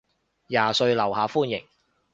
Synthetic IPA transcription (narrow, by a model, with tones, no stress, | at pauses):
jaː˨sɵ˧ɥlɐ˨˩whaː˨˧fuː˥njɪ̰˨˩ŋ